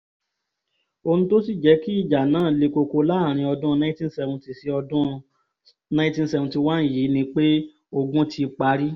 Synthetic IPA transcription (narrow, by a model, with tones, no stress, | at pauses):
o˧nũ˦to˦si˦˨d͡ʒɛ˨˧˦ki˦i˦˨d͡ʒa˨nãː˨˦˨le˧ko˧ko˧la˦˨ɾ̃ĩ˧ɔ˧dũ˦˧nã˦tĩ˦n̩˦sɛ˧vũ˧ti˨si˧˦ɔ˧ũ˦ | nã˦tĩ˦sɛ˧vũ˧ti˧wã˦˨ji˨˦nĩ˦k͡pe˦ | o˧ɡũ˦tʰi˧k͡pa˧˦ɾi˦